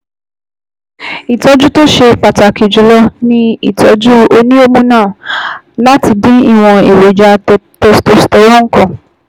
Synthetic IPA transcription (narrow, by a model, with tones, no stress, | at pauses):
i˨tɔ˧˦d͡ʒu˦to˦ʃe˧pa˨ta˨ki˨d͡ʒu˨lɔ˦nĩ˦i˨tʰɔ˨˧d͡ʒu˦o˧nĩ˦o˦mũ˦nãː˦˨ | la˦ti˧dĩ˦i˧w̃ɔ̃˧e˨we˨d͡ʒa˧tɛ˧sto˧stɛ˧ɾɔ˦ŋ̩˦kɔ̃˦˨